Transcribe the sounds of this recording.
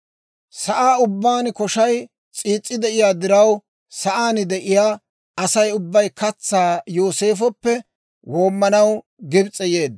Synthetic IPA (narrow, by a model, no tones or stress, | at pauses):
sɐʔaːʊbːaːnkɔʃɐj | t͡sʼiːt͡sʼːɪd̪ɛʔɪjaːd̪ɪɾɐw | sɐʔaːnɪd̪ɛʔɪjaː | ɐsɐjʊbːɐjkɐt͡sːaːjoːse̞ːfɔpːɛ | wo̞ːmːɐnɐw | ɡɪbt͡sʼːɛje̞ːd̪ː